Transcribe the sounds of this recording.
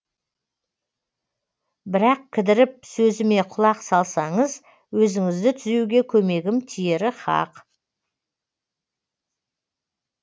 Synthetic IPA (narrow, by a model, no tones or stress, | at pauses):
bɪɾɑq̚kʲʰɪd̪ɪɾɪp̚sɵzɪme̞qʰʊlˠɑqsɑlˠsɑɴəz | wɵzɪŋɪzd̪ɪt̪ʰʏzewɡʲe̞kʲʰɵme̞ɡʲɪmt̪ʰije̞ɾɪχɑ̰q